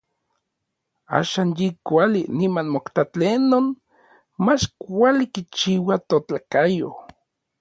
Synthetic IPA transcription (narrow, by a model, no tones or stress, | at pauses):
a̰ːʃaːnjikʷalinimanmokt̪at͡ɬenːon | mat͡ʃkʷalikit͡ʃiwat̪ot͡ɬakajo